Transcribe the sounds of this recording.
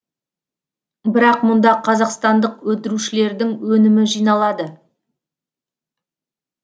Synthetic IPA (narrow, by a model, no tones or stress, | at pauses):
bɪɾɑqmʊnd̪ɑqʰɑzɑqst̪ɑnd̪əqwɵt̪ɪɾuʃɪle̞ɾd̪ɪŋwɵnɪmɪʒijnɑlˠɑd̪ə